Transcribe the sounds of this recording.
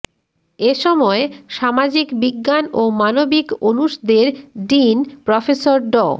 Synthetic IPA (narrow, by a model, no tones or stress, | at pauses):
eʃɔmɔeʃamad͡ʑikbiɡːanomanobikonuʃd̪eɾɖinpɾɔfesoɾɖɔ̰